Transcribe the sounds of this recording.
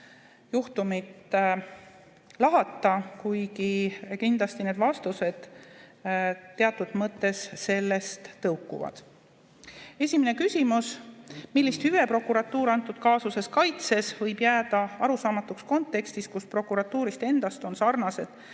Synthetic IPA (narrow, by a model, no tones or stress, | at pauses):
juht̪umit̪ | lɑɦɑt̪ˑːɑkujɡikind̪̥lɑst̪ine̞ːd̪vɑst̪use̞d̪̥ | t̪ːe̞ɑt̪ːˑud̪̥mɤt̪ːˑe̞sːe̞lːe̞st̪ːɤwkːˑṵvɑ̰d̪̥ | e̞sʲimene̞kysʲimusmilːist̪hyve̞pro̞kːuɾɑt̪ˑːuːɾɑnt̪ːˑud̪̥kɑːsuse̞skɑjt̪se̞svɤjbjæːd̪̥ɑɑɾusɑːmɑt̪ːˑuksko̞nt̪ːˑe̞kst̪iskuspro̞kːˑuɾɑt̪ːuːɾist̪e̞nd̪̥ɑst̪o̞nsɑrnɑse̞d̪̥